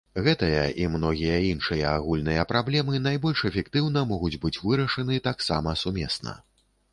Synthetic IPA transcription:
ɣɛt̪ɨjɐʔimnɔɣʲijɐinʂɨjɐaɣulʲnɨjɐpɾablʲɛmɨnajbɔlʲʂɛfʲɛkt̪ɨwnɐmɔɣud͡zʲbɨt͡sʲvɨɾɐʂɐnɨt̪aksa̰mɐsumʲɛ̰snɐ̰

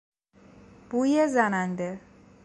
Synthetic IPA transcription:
b̥uːjezænænd̪e

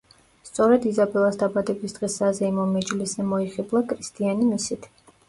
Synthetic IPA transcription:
st̪sʼɔɾɛd̪izabɛlˠasd̪abad̪ɛbisd̪̥ʼʁɛsazɛimɔmɛd͡ʒliszɛmɔiχɛblˠakʼɾist̪ʰʼianimisit̪ʰ

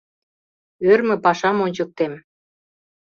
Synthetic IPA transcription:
ørmɘ̆pɑʃɑmonʲt͡ɕə̆k̚t̪em

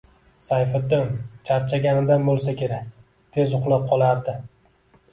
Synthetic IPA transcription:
sajfɪd̪ɪmt͡ʃʰaɾt͡ʃʰaɡʲanɪd̪anbolˠsakʲe̞ɾak̚ʲ | t̪ʰe̞zʊqlˠap̚qʰɒlˠaɾd̪ɪ

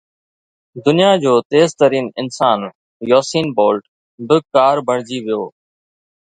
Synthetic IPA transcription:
d̪ʊnijaːd͡ʑoːt̪eːzt̪əɾiːnɪnsaːn | joːsiːnboːlʈ | bɪkaːɾbʱəɳ̤̃d͡ʑiːʋɪjoː

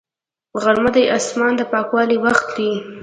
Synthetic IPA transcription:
ɣaɾməd̪ajʔɑsmɑnd̪əpɑkwɑliwaxt̪li

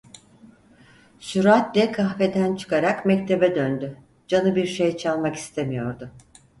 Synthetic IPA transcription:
syɾat̪̚d̪ɛkʰaxfed̪ænt͡ʃʰɯ̥kaɾakmɛc̚t̪ʰe̞bɛd̪ønd̪y | d͡ʒanɯbiɾʃe̞jt͡ʃʰalˠmaki̥st̪ʰemijo̞ɾd̪ʊ

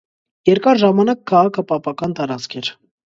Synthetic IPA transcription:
jɛɾkɑɾʒɑmɑnɑkʰːɑʁɑkʰəpɑpɑkɑnt̪ɑɾɑt͡skʰɛɾ

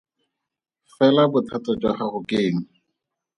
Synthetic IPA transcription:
fɛlabʊtʰatɔd͡ʒwaχaχʊkeːŋ̩

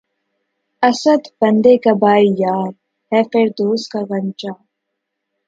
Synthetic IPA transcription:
ɐsəd̪bɐ̃nd̪ekabaːijaːɾ | hɛfeɾd̪oːskaɣɐ̃nt͡ʃaː

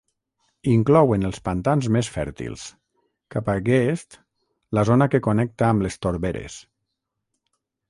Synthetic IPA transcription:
iŋklɔwenəlˠspant̪anzmesfɛ̰ɾt̪ḭlˠs | kapaɡest̪ | lazonakekonɛk̚t̪aːmlest̪oɾβeɾḛs

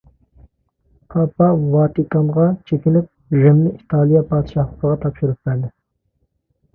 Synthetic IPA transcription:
pʰɑpɑwɑːt̪ikɑnʁɑt͡ʃʰekʲinɪp̚ʒɪmnɪʔit̪ʰɑːlˠijɑpʰɑːd̪ɨʃɑhlˠəqəʁɑt̪ʰɑpʃuɾup̚bæɾd̪ɪ

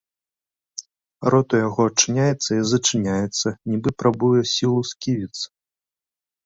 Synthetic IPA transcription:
ɾɔt̪ujaɣɔɐt͡ʂɨnʲajɛt̪sːɐizɐt͡ʂɨnʲajɛt̪sːɐnʲibɨpɾabujɛsʲilˠuskʲivʲit̪sɐ̥

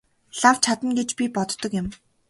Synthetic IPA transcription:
ɮaw̥t͡ɕʰat̪ə̆nɡet͡ɕpʲipɔt̪ːɞ̆kjɪ̆m

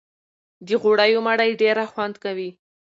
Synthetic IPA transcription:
d̪əɣoɽajomaɽajɖeɾaxwand̪kawi

